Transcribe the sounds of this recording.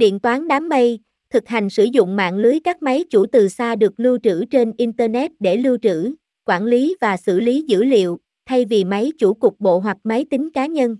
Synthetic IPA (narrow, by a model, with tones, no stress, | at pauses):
ɗḭ˧˨ənt̪waː˨˦nɗaː˨˦mːə˧j | t̪ʰɨ˨˩k̚ha˨˩jŋ̟sɨ˧˩zʊ̰˧˨ŋ͡mma̰ː˧˨nlɨ˨˦əjkaː˦˥k̚ma˨˦jt͡ɕu˧˩t̪ɨ˨˩saː˧ɗɨ˨˩ək̚lɨ˧wt͡ɕɨ̰˧˥t͡ɕe˧nʔi˧nt̪əː˧nɛ˦˥t̚ɗe˧˩lɨ˧wt͡ɕɨ̰˧˥ | kwaː˧˩nli˨˦vaː˨˩sɨ̰˧˩li˨˦zɨ̰˧˥lḭ˧˨əw | t̪ʰa˧jvi˨˩ma˨˦jt͡ɕu˧˩kʊ˨˩k͡p̚ɓo̰˧˨ɦwa˨˩k̚ma˨˦jt̪ï˨˦ŋ̟kaː˨˦ɲə˧n